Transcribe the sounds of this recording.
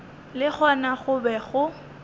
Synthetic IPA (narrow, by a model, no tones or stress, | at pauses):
lɪk͡xʰɔnaχʊbɛɣʊ